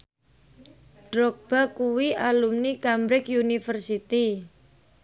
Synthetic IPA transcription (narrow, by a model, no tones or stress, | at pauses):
ɖ̥ɾɔk̚b̥a̤kuwiʔalumnikambɾɪkjunifərsit̪i